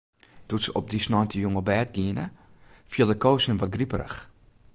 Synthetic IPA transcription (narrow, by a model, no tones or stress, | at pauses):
d̥utsəɔp̚disnɔntʰəjuŋəbɛːt̚ɡiənə̰fiəlˠdəkowsnənʋɔt̚ɡripəɾə̰x